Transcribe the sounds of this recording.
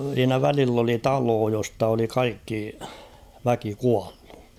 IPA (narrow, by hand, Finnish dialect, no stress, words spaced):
siːnæ ʋælilː oli tɑloː jostɑ oli kɑikːi ʋæki kuɑlːu̥